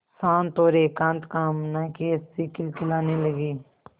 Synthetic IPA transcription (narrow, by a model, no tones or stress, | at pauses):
saːnt̪oːɾeːkãːnt̪kaːmnaːkeːst̪iːkɪlkɪlaːniːləɡiː